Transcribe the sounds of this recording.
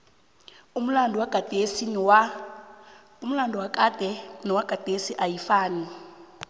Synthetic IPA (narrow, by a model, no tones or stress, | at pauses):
um̩landʱɔwaɡ̥ʱad̥ʱesinwa | um̩landʱɔwakʼad̥ʱɛnɔwaɡ̥ʱad̥ʱesiʔajifaːni